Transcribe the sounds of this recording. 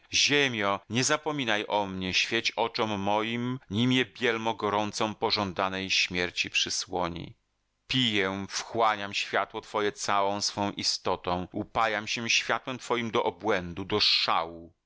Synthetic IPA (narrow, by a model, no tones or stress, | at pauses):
ʑemʲjɔɲɛzapɔmʲinajʔɔmɲɛɕfʲjet͡ɕɔt͡ʂɔmːɔjimɲimjɛbʲjɛlmɔɡɔɾɔnt̪sɔ̃mpɔʐɔnd̪anɛjɕmʲjɛɾt͡ɕipʂɨswɔɲḭ | pʲijɛfxwaɲamɕfʲjat̪wɔt̪fɔjɛt̪sawɔ̃w̃sfɔ̃w̃ʔist̪ɔt̪ɔ̃w̃upajamɕɛ̃ɕfʲjat̪wɛmt̪fɔjimd̪ɔʔɔbwɛnd̪ud̪ɔʂa̰wu